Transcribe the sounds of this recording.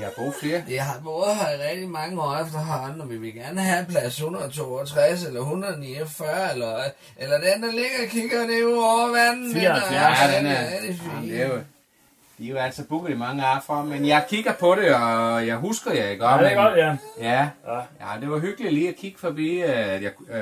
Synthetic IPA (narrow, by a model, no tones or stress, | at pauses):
ihɑ̈b̥ʁṵːfle̝ːɐjiɦɑ̈b̥ɔːð̩ˠhɑiʁɛɡ̥̚d̥imɑ̈ŋəɒ̰ːefd̥ɐɦɑnɒmʋiʋe̝lɡ̥æɐnəɦæpʰlæshunɐð̩ˠt͡sʰo̝̰ːɒt͡sʰʁas̬elɐɦunɐð̩ˠniefɶɐ̰elɐ | ʔelɐd̥end̥æle̝ɡ̥ɐkʰiɡ̥ɐneuɒʊɐʋænn̩ | denæʁɛd̥ifḭːe | d̥ijoæl̰sɒb̥uɡ̥ð̩ˠimɑ̈ŋəɑ̈ːfɒmenjɑ̈ɪkʰiɡ̥ɐpʰɒ̽ɾe̝ɒjɑ̈ɪɦusɡ̥ɐjɑɪɡ̥ɒd̥ | jæjæd̥e̝ʋɑ̈ɦyɡ̥əli̥liːækʰiɡ̥ə̥fɒ̽b̥ḭːjɑ̈